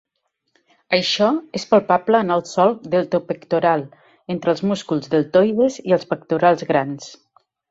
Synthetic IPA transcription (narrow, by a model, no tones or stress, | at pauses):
əjʃɔespalˠpabləːnalˠsɔlˠðəlˠt̪opəkt̪uɾalˠ | ent̪ɾəlˠzmuskulˠzðəlˠt̪ojðeziəlˠspəkt̪uɾalˠzɣɾans